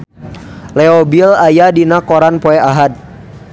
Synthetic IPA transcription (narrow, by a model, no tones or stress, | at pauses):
lɛɔbilajadinakɔɾanpɔɛaɦad̪̚